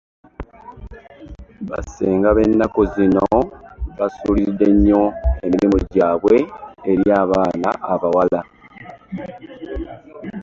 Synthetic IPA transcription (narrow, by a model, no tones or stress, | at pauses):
βa̰seːŋɡaβe̞nːako̞zino̞βasuːlizid̪ːe̞ɲːo̞e̞miɾimuɟaːβwe̞ːɾjaːβaːnaʔːβawala